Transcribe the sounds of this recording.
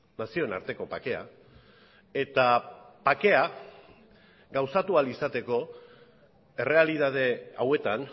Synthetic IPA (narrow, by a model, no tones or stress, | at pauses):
nasio̞ena̰ɾt̪e̞ko̞pake̞a̰ | e̞t̪apake̞a | ɡawsat̪ualisat̪e̞ko̞ | e̞re̞aliðað̞e̞awe̞t̪an